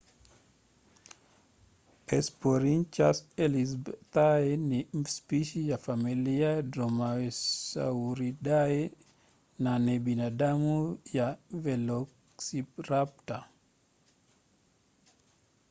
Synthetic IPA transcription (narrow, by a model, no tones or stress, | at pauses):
ɛspoɾint͡ʃasɛlisbt̪aɛnispiʃijafamiliadɾɔmasa̰uɾidaɛ | nanɛbinadamujavɛlɔk | sipɾapta